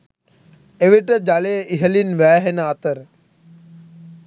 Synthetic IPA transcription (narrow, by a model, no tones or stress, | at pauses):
eʋiʈəd͡ʒaleːʔiɦəlinʋæːɦenəat̪əɾ